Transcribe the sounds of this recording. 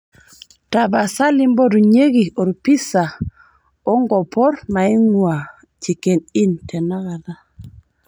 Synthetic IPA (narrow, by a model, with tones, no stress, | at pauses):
ta˨ba˨sa˦li˦mbo˦ɾu˨ɲe˦ɡi˨o˨ɾpi˦sa˨ | o˦ŋɡɔ˨pɔ˦ɾma˨i˦ŋwa˨ | t͡ʃi˨ke˨ni˦ntʰe˨na˦ɣa˨ða˦